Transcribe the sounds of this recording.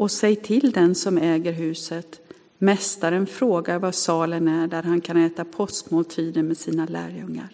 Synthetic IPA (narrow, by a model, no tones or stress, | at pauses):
ɔsɛjt̪ʰɪld̪ɛnsɔmɛːɡəɾɦʉ̟ːsət̪ | mɛst̪aɾənfɾoːɡaɾvasɑːlənæɖæɾɦankʰanɛːt̪apʰɔsk̪moːlt̪ʰiːd̪ənmɛsiːnalæ̰ːɾjɵŋːa̰ɾ